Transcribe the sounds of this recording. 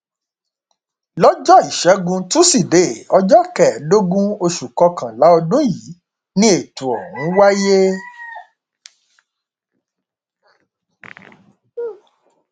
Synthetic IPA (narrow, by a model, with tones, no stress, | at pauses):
lɔ˦d͡ʒɔ˦i˨ʃɛ˨˦ɡũ˧tũ˦si˦˨de˨˦˨ɔ˧d͡ʒɔ˦kɛ˨do˦ɡũ˦o˧ʃu˨kɔ˧kã˨la˨˦ɔ˧dũ˦ji˨˦ | nĩ˦e˨tũ˨ɔ̰˨wũ˨˦wa˦je˦